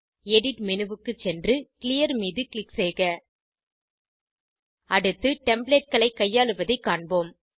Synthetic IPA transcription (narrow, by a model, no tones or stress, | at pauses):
ɛɽɪʈmɪnɯʋɯkːɯt͡ʃɛndrɯkɪlɪjɐɾmiːðɯkɪlɪkseːɣɐ | ɐɽɯt̪ːɯʈɛmbɭeʈ̚kɐɭɐɪkːɐjːaːɭɯʋɐðɐɪkːaːɳboːm